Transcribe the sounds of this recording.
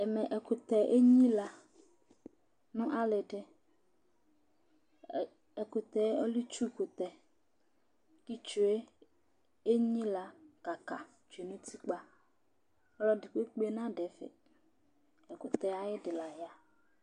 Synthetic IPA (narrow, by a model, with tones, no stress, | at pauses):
ɛ˨mɛ̃˨ʔɛ˨ko˨t̪ɛ˨ʔe˦ɲĩ˦la˨ | nũ˦ʔa˦le˨ɖe˦ | ɛ˨ko˨t̪ɛ˨˦ɔ˦li˦t͡ʃu˦ko˨t̪ɛ˨ | ki˦t͡ʃu˨e˦ | e˦ɲĩ˦la˨ka˨ka˨ | d͡ʒu˨e˨nũ˦t̪ʰi˦k͡pa˦ | ɔ˦lɔ˦dɪ˨k͡pe˦k͡pe˦nã˦ɖɛ˨fḛ˨ | ɛ˨ko˨t̪ɛ˨a˨jɪ˦ɖɪ˨la˨ja˨